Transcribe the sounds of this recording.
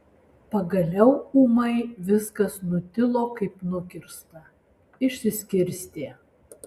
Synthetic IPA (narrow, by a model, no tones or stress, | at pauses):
pɐɡɐlʲɛʊuːmɐɪʋʲɪskɐsnʊt̪ʲɪlˠoːkɐɪpnʊkʲɪɾst̪ɐ | ɪʃʲsʲɪsʲkʲɪɾʲsʲt̪ʲeː